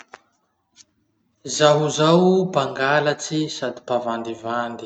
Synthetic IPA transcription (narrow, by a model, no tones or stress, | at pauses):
zaɦuzawbaŋɡalat͡sisad̪ipavand̪ivand̪i̥